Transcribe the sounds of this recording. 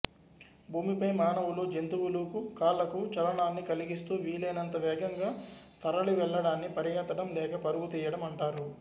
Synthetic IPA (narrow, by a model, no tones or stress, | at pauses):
bʱuːmipɐjmaːnɐwuloːd͡ʒent̪uʋuluːkukaːlɐkut͡ʃɐɾɐɳaːnːikɐliɡist̪uːʋiːleːnɐnt̪ɐʋɛːɡɐŋɡaː | t̪ɐɾɐɭiʋɛɭːɐɽaːnːipɐɾijɐːt̪ːɐɽɐmlɛːkɐpɐɾubut̪ɛːjɐɽɐmɐɳʈaːɾu